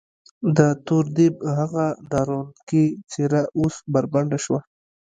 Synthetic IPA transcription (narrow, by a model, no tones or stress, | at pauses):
d̪ət̪oɾd̪ibhaɣad̪ɑɾonkit͡seɾaʔosbaɾbaɳɖaʃwa